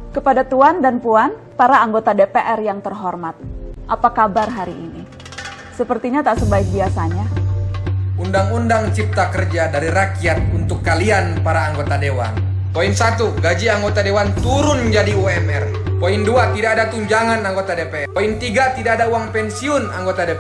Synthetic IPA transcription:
kəpadat̪uandanpuan | paɾaːŋɡot̪adepeʔɛrjaŋt̪ərɦɔrmat̪̚ʔapakabarɦaɾiʔːni | səpərt̪iɲat̪aʔsəbaɪk̚biasaɲa | undaŋundaŋt͡ʃip̚t̪akərd͡ʒadaɾiɾakiat̪̚unt̪ʊkːalianpaɾaːŋɡot̪adewa̰n | poiŋsat̪uɡad͡ʒiaŋɡot̪adewant̪uɾʊnd͡ʒadiuɛmɛrpoiŋduat̪idakːdat̪uɲd͡ʒaŋanaŋɡot̪adepeɛpoiŋt̪iɡat̪idakːdauwaŋpɛnsiʊnaŋɡot̪adep

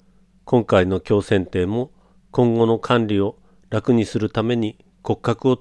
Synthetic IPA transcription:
kõ̞ŋkaino̞kʲo̞ːsẽ̞nt̪e̞ːmo̞ | kõ̞ŋɡo̞no̞kʰãnɾʲio̞ | ɾakɯ̟ɲ̟isɨɾɯ̟t̪ame̞ɲ̟i | ko̞kːakɯ̟o̞

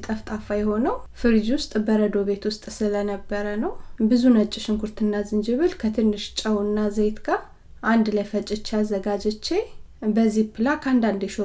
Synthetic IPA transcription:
t̪ʼəft̪ʼafajɛho̞nəwfɨɾd͡ʒwʊst̪ʼbəɾəd̪o̞be̞t̪wʊst̪ʼsɨlənəbːəɾənəwbɨzunət͡ʃʼːɪʃɪŋkʰuɾt̪ʰɨnːazɨnd͡ʒɨβɨlkʰət̪ʰɨnːɨʃt͡ʃʼəwɨnːazejt̪ɡa | ʔand̪ləfət͡ʃʼɪt͡ʃːazːəɡad͡ʒɛt͡ʃːe | bəzːipʰɨlakʰand̪and̪ɛʃo

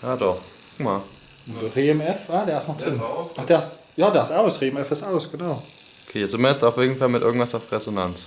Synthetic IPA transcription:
jaːdɔχ | kʊkma | ʊnd̥əʁeːɛmɛfaːdɛːɐɪsnɔχd̥ʁɪnʔaχd̥ɛːs | jaːdɛsaʊsʁeːɛmɛfɪsaʊsɡ̥ənaʊ | okʰeːɛz̥ɪmɐjɛt͡staʊfeːɡn̩falmɪtʔɪɐɡŋ̩tv̥asaʊfʁezonant͡s

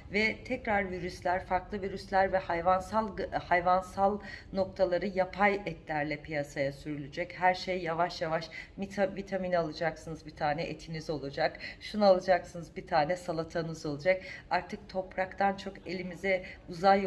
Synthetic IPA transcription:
vɛt̪ʰɛcɾaɾviɾyslʲæɾfaɾklˠɯviɾyslʲæɾvɛhajvansalˠhajvansalˠno̞k̚t̪ʰalˠaɾɯjapʰajɛt̪lʲæɾlʲɛpʰijasajasyɾylʲyd͡ʒɛchæɾʃejːavaʃjavaʃmit̪ʰavit̪ʰaminalˠɯd͡ʒaksɯnɯzbit̪ʰaːnɛʔet̪ʰinizo̞lˠad͡ʒakʃunaalˠad͡ʒaksɯnɯzbit̪ʰaːnɛsalˠat̪ʰanɯzo̞lˠad͡ʒakaɾt̪ʰɯk̚t̪ʰo̞pɾakt̪ʰant͡ʃʰo̞ke̞lʲimizɛuzaj

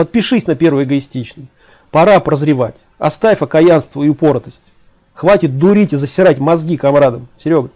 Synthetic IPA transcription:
pət̪̚pʲɪʂɨsʲnɐpʲe̞rvɨjɪɡəɪsʲtʲit͡ɕnəj | pɐɾapɾəzɾʲɪvatʲ | ɐ̰st̪afʲɐkɐjanst̪vəiʊpo̞ɾt̪əsʲtʲ | xvatʲɪt̪̚d̪ʊɾʲitʲɪzəsʲɪɾatʲmɐzɡʲikɐmɾad̪əmsʲɪɾʲo̞ɡə

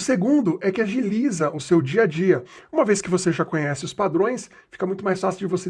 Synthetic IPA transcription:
ʊseɡũnd̪ʊʔɛkɪɐʒilizɐʊsewd͡ʒiɐd͡ʒiɐũmɐveskɪvoseʒakõɲɛsɪʊspad̪ɾõj̃s | fi̥kɐmũj̃t̪ʊmajsfasiwd͡ʒɪvose

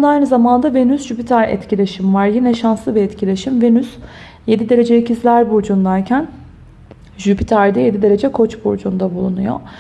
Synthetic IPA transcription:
bunaajnɯzamand̪avenysʒypit̪ʰaɾɛ̰t̪cilʲeʃimvaɾjinɛʃansˠɯvɛːt̪cʰilʲeʃimvenys | je̞d̪id̪e̞ɾe̞d͡ʒɛicʰizlʲæɾbuɾd͡ʒund̪aɾcʰæn | ʒypit̪ʰaɾd̪ɛje̞d̪id̪e̞ɾe̞d͡ʒɛkʰo̞t͡ʃbṵɾd͡ʒund̪abulˠunujo̰

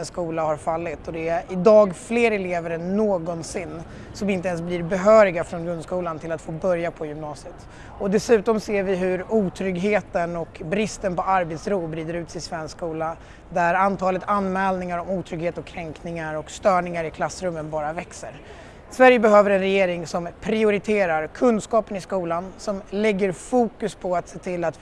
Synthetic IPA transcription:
nskuːlahaɾfalːɪt̪ɔd̪ɛæʔɪd̪ɑːɡfleːɾɛleːvəɾənoːɡɔnsɪnː | sɔmɪnt̪əɛns̬bliːɾbɛɦœːɾɪɡafɾɔnɡɾɵnskuːlant̪ʰɪlat̪foːbœɾjapʰɔjɵmnɑːsɪət̪ | ɔd̪ɛsʉ̟ːt̪ɔmseːɾvɪɦɵɾuːt̪ʰɾʏɡɦeːt̪ənɔkbɾɪst̪ənpʰɔaɾbɛːt̪sɾuːbɾiːd̪əɾʉ̟ːt̪sɪsvɛnskuːla | d̪æɾant̪ʰɑːlət̪anːmɛːlnɪŋaɾɔmuːt̪ʰɾʏɡheːt̪ɔkʰːɾɛŋknɪŋaɾɔkst̪œːɳɪŋaɾɪkʰlasːɾɵmːənbɑːɾavɛksə̰ɾ | svæɾjəbɛɦøːvəɾɛnɾɛjeːɾɪŋsɔmpʰɾɪʊɾɪt̪ʰeːɾaɾkʰɵnd̪skɑːpənɪskuːlansɔmlɛɡːəɾfuːkɵspʰɔat̪seːt̪ʰɪlːat̪

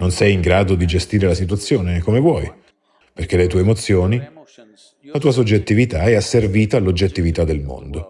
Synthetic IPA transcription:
nonsɛjiŋɡɾaːd̪od̪id͡ʒest̪iːɾelasit̪wat̪sːjoːnekːomevwɔj | perk̟elet̪uːemot̪sːjoːni | lat̪uːas̬od͡ʒːet̪ːivit̪aɛasːerviːt̪aːlːod͡ʒːet̪ːivit̪ad̪ːelmo̰nd̪o

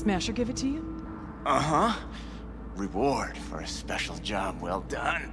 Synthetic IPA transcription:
smæʃə˞ɡɪvɨtʰɨjɨ | ʌɦʌ | ɹɪwɔɹd̥fə̰˞ɨspɛʃl̩ˠd͡ʒɑmwɛlˠdʌ̃n

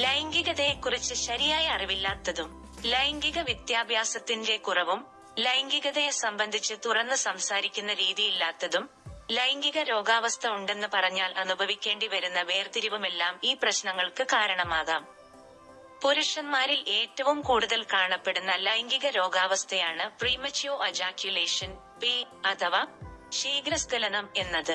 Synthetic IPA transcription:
lɐjŋɡiɣɐðɐjekːurit͡ɕːɨɕɐɾijaːjɐɐriʋilːaːt̪ːɐðum | lɐjŋɡiɣɐʋjɐt̪jaːbʱjaːsɐt̪ːinde̞kurɐʋum | lɐjŋɡiɣɐðɐjesɐmbɐnd̪ʱit͡ɕːɨt̪urɐnːɨsɐmsaːɾikʲːunːɐɾiːðijilːaːt̪ːɐðum | lɐjŋɡiɣɐɾo̞ːɡaːʋɐst̪ʰɐuɳɖe̞nːɨpɐrɐɲːaːlʔɐnubʱɐʋikʲːe̞ːɳɖiʋɐɾunːɐʋeːrt̪iɾiʋɐme̞lːaːmiːprɐɕnɐŋːɐɭkɨkaːɾɐɳɐmaːɣaːm | poɾuʂɐnmaːɾile̞ːtːɐʋumkuːɽuðɐlkaːɳɐpːe̞ɽunːɐlɐjŋɡiɣɐɾo̞ːɡaːʋɐst̪ʰɐjaːɳɨpriːmɐt͡ɕijoːed͡ʑaːkjule̞ːʂɐn | pi | ɐt̪ʰɐʋaːʂiːɡɾɐskɐlɐnɐme̞nːɐðɨ

